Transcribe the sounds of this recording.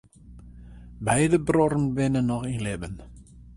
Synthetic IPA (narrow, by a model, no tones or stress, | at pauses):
bɛjdəbrɔɾənʋɪnənːɔxinlɪbən